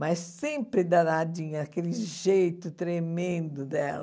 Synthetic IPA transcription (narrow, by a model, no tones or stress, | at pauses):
majsːẽmpɾɪd̪ad̪ad͡ʒĩɲɐakelɪʒejt̪ʊt̪ɾemẽnd̪ʊd̪ɛ̰lɐ